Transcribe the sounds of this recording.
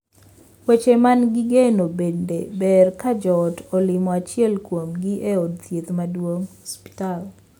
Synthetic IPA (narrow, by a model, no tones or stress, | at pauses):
wet͡ʃemanɡiɡenobendebɛrkad͡ʒɔtɔlɪmɔat͡ʃɪɛlkwomɡiʔeod̚t̪jet̪madwoŋhɔspi̥tal